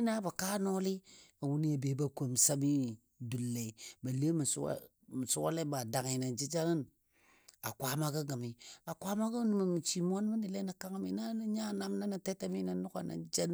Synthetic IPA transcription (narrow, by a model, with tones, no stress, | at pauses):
i˦na˦ba˨kaː˦no˦li˦a˨wu˦ni˦ja˨be˨˦ba˦ko˨m˨sa˦mi˦ | du˨lːe˨ba˨le˦m˨s | mi˨su˦wa̰˦le˦ba˨da˨ŋi˨na˨d͡ʒi˦d͡ʒa˦ɾə˦n | a˨kʷa˦ma˦ɡə˦ɡə˨mi˨a˨kʷa˦ma˦ɡə˦nu˨ma˨mi˨t͡ʃi˨mo˦n˦mi˦di˨le˦na˨ka˦ŋ˦mḭ˦na˦ni˦ɲa˦˨na˦mna˦ni˨te˦ta˦mi˦na˨nu˦ka̰˨na̰˨˦d͡ʒa˦n˦